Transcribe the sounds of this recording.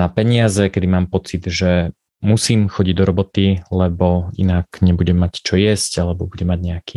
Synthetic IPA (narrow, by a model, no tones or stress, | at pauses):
napɛɲɪazɛkɛd̪imaːmpɔt͡sid̪ʒɛ | musiːmxɔɟiɟd̪ɔɾɔbɔt̪ilɛbɔḭnakɲɛbuɟɛmːact͡ʃɔjɛscalɛbɔbuɟɛmːaɟɲɛakiː